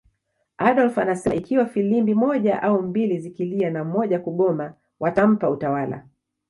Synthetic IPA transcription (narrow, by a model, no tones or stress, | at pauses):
aɗɔlfanasɛʔikiwafilimbimɔʄaʔaumbilizikilianamɔʄakuɠɔma | wʔatam̩pautawala̰